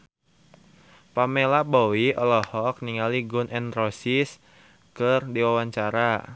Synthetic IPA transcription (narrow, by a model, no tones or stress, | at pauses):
pamelabowiʔɔlɔhɔk̚niŋaliɡunʔɛnrɔsis | kɨrdiwawaɲt͡ʃaɾa